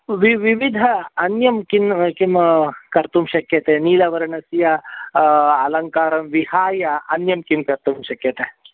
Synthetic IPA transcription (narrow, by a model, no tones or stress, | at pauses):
ʋiʋiʋid̪ʱɐɐnjɐmkinkimkɐɾt̪umʃɐkjɐt̪eniːlɐʋɐɾɐɳɐsija | ɐlɐŋkaːɾɐmʋihaːjɐɐnjɐmkimkɐɾt̪umʃɐkjɐt̪e